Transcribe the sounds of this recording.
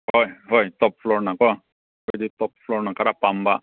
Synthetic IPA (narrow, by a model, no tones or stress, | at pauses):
ɦojɦojt̪ɔp̚floɾnakɔ | kəd̪it̪ɔpfloɾnakaɾapamba